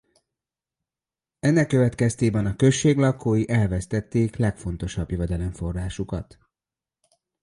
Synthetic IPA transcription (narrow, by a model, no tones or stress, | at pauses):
ɛnːɛkːøvɛt̪kɛst̪eːbɛnɒkø̞ʃːeːɡlɒkoːjiʔɛlvɛst̪ɛt̪ːeːklɛkfo̞n̪t̪o̞ʃɒbjøvɛd̪ɛlɛɱfo̞rːaːʃukɒ̰t̪